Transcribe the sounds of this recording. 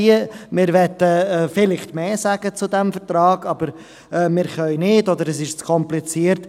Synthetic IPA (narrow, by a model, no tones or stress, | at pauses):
əmɪɾʋɛt̪əfɪlɪχtmeːsæɡ̥ət͡sud̪ɛmfəɾt̪ɾɑːɡ̥ɑb̥əɾ | ɛːmɪɾχœʏnɪdɔd̪əɾɛsɪʃt͡skʰɔmplit͡siəɾt